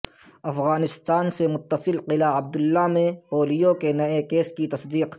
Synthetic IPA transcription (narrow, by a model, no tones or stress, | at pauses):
ɐfɣaːnɪst̪aːnsemʊt̪ːəsɪlqɪlaɐb̚d̪ʊlːamẽpoːlijokenɐekeːskit̪ɐsd̪iːq